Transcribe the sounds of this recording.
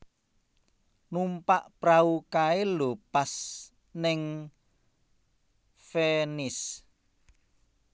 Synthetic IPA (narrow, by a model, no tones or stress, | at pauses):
numpaʔpɾaukaelopas | nɪŋ | fenis